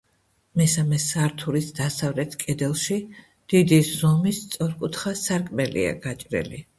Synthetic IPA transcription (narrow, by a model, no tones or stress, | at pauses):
mɛsamɛsaɾt̪ʰuɾisd̪asavlɛt̪ʰkʼɛd̪ɛlˠʃi | d̪̥id̪izɔmist̪sʼɔɾkʼut̪ʰχasaɾkʼmɛlḭa̰ɡat͡ʃʼɾɛ̰li